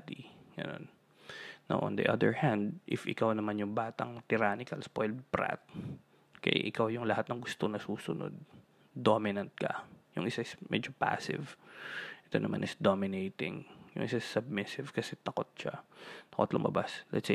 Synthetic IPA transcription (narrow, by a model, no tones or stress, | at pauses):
d̪iɡɐ̰no̞̰n | no̰ʔɔ̰̃nd̪ḭʔɐd̪ɛɹhãnd̪̚ʔɪfʔɪkawnɐmanjʊŋbaːt̪ɐŋt̪ɪɾaːnɪkɐlspojlbɾa̰t̪̚ | kɐ̰ʔa̰ʔɪkawjʊŋlɐhat̪̚nɐŋɡʊst̪onɐsuːsʊno̞̰d̪̚ | d̪omɪnɐnt̪̚kɐjʊŋʔɪsaɪsmʔɛ̰d͡ʒopa̰sɪ̰vʔɛt̪onɐma̰nɪsd̪omɪnejt̪ɪ̰ŋjʊ̰ŋʔɪsasːɐb̚mɪsɪv̥kɐsɛt̪ɐko̞t̪̚ʃat̪ɐkot̪lʊmɐ̰baslɛ̰t̪se